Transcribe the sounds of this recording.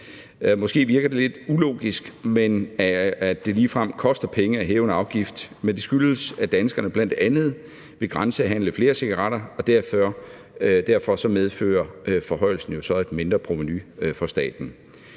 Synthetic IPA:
mɔ̽sɡ̥e̝̰ːʋiɐɡ̥ɐd̥e̝le̝d̥ulo̝̰ːɡ̥isɡ̥men | d̥e̝liːfʁɑm̰kʰɒ̽sd̥ɐpʰeŋəæɦeːʊnəɑ̈ʊɡ̥ifd̥mend̥e̝sɡ̥yləsæd̥ænsɡ̥ɐnəb̥læn̰d̥e̝ʔænð̞̩ˠ | ʋe̝ɡ̥ʁɑ̈nsəæɦæn̰ləfle̝ːɐse̝ɡ̥ɑʁɑ̈ɾ̥ɐɒ̽d̥æɐ̰fɶɐ | d̥æɐfɒ̽sɒ̽meðˠfø̰ːɐfɒ̽ɦɒ̽ɪ̰l̩sn̩jo̝sɒ̽e̝d̥me̝nd̥ʁɐpʰʁo̝menyfɒ̽sd̥ɛ̰ːd̥n̩

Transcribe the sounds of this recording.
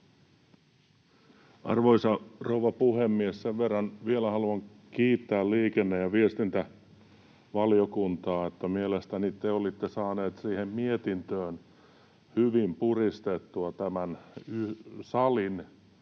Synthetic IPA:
ʔɑ̰rʋoisɑrouʋɑpuhemːiesseʋʋerːɑnʋielæhɑluɑŋ | kiːt̪ːæːlliːkenːejjɑʋiest̪int̪æ | ʋɑljokunt̪ɑːet̪ːæmielest̪ænit̪eolit̪ːesɑːneːt̪siːhemmiet̪int̪øːn | hyʋimpurist̪et̪ːuɑt̪æmænysɑlin

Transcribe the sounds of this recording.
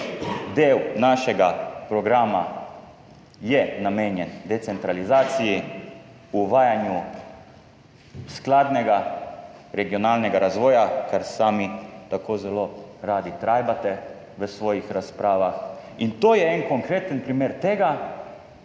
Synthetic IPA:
d̪eːwnaʃɛɡapɾɔɡɾaːma | jɛnameːnjɛnd̪ɛt̪sɛnt̪ɾalizaːt̪siji | uʋaːjanju | sklaːd̪nɛɡa | ɾɛɡiɔnaːlnɛɡaɾazʋɔːjakaɾsaːmit̪akʰoːzɛloɾaːd̪it̪ɾaːjbat̪ɛ | ʋəsʋɔːjixɾaspɾaːʋaxint̪oːjɛɛnkoŋkɾeːt̪ənpɾimeːɾt̪eːɡa

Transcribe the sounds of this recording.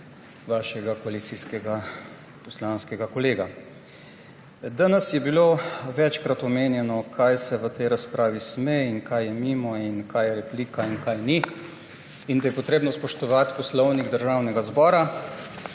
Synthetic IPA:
ʋaːʃɛɡakɔalit̪siskɛɡa | pɔslanskɛɡakɔleːɡa | d̪anɛsjɛbiloʋɛt͡ʃkɾat̪ɔmeːnjɛnɔkʰajsɛʋət̪ɛjɾaspɾaːʋismeinkajjɛmiːmɔinkajɛɾɛpliːkainkajni | ind̪ajɛpɔt̪ɾeːbnɔspɔʃt̪ɔʋat̪pɔslɔwniɡd̪əɾʒawnɛɡazbɔːɾa

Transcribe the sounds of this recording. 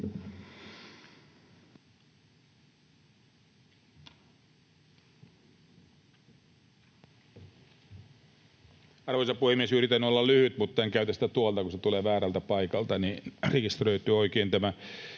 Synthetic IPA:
ɑrʋoisɑpuhemːiesyrit̪ːænːyolːɑllyhyt̪mut̪ːɑeŋkæyt̪æst̪æt̪uɑlt̪ɑkuset̪uleːʋæːɾælt̪æpɑikɑlt̪ɑnirekist̪røyt̪ˑyːoikeːnt̪æmæ

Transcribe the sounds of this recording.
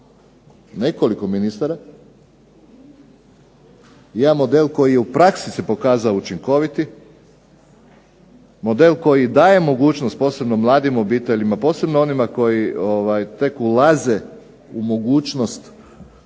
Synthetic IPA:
ne̞ko̞liko̞minist̪aɾa | jaːmo̞d̪elko̞jijeupɾaksisepo̞kaːzaout͡ʃiŋko̞ʋit̪i | mo̞d̪e̞lko̞jid̪aːje̞mo̞ɡuːt͡ʃnost̪̚po̞ːse̞bnomlˠaːd̪imo̞biːt̪e̞ʎimapo̞ːse̞bnoo̞nimako̞jioʋajt̪e̞kulaze | umo̞ɡuːt͡ʃno̞st̪

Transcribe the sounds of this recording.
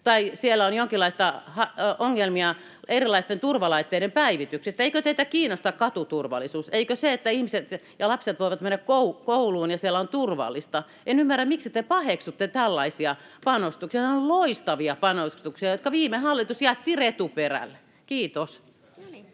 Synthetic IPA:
t̪ɑisielːˑæonjoŋkilːˑɑist̪ɑhɑoŋːelmiɑ | erilɑist̪ent̪urʋɑlɑit̪ːeiɾempæiʋit̪yksist̪æeikøt̪eit̪ækiːnost̪ɑkkɑt̪ut̪urʋɑ̰lːˑisuːseikøseet̪ːæihmiset̪jɑlɑpset̪ʋoiʋɑt̪menːækkoukouluːnjɑsielːæont̪urʋɑ̰lːˑist̪ɑ | enymːærːæmmiksit̪epɑheksut̪ːet̪ælːɑisiɑ | pɑnost̪uksiɑneolloist̪ɑʋiɑpɑnost̪uksiɑjot̪kɑʋiːmehɑlːit̪usjæːt̪ːiret̪uperæ̰lːe | kiːt̪os

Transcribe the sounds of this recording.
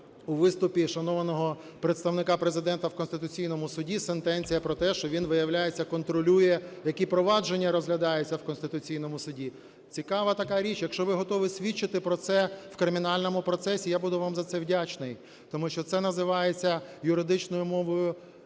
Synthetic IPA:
uʋɪst̪ʊpʲiʃɐnɔʋɐnɔɦɔ | pɾet̪st̪ɐwnɪkɑpɾezɪd̪ɛnt̪ɐwkɔnst̪ɪt̪ʊt͡sʲijnɔmʊsʊdʲisent̪ɛnʲt͡sʲijɐpɾɔt̪ɛʃt͡ʃɔʋʲinʋɪjɐwlʲajet͡sʲːɐkɔnt̪ɾɔlʲujɛjɐkʲipɾɔʋɑd͡ʒe̞nʲːɐɾɔzɦlʲɐd̪ɑjɛt͡sʲːɐwkɔnst̪ɪt̪ʊt͡sʲijn̪ɔmʊsʊdʲi | t͡sʲikɑʋɐt̪ɐkɑɾʲit͡ʃjɐkʃt͡ʃɔʋɪɦɔt̪ɔʋɪsʲʋʲit͡ʃːɪt̪ɪpɾɔt̪sɛwkɾɪmʲinɑlʲnɔmʊpɾɔsɛsʲijabud̪ʊʋɑmzɐt̪sɛwdʲat͡ʃnɪj | t̪ɔmuʃt͡ʃɔt̪sɛnɐzɪʋɑjet͡sʲːɐjʊɾɪd̪ɪt͡ʃnɔjʊmɔʋɔjʊ

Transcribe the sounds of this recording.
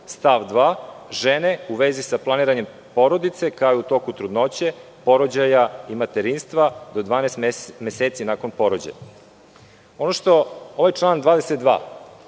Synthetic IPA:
st̪aʋd̪ʋaʒene̞uʋezisaplˠaniːɾaɲem | po̞ɾo̞d̪it̪se̞kaojut̪o̞kut̪ɾud̪no̞t͡ɕe̞ | po̞ɾod͡ʑajaimat̪eɾinst̪ʋad̪o̞d̪ʋaːnɛst̪meseːt̪sinaːko̞npo̞ɾod͡ʑa̰ja | o̞noʃt̪o̞oʋajt͡ʃlˠaːnd̪ʋaːd̪eset̪̚d̪ʋa̰ː

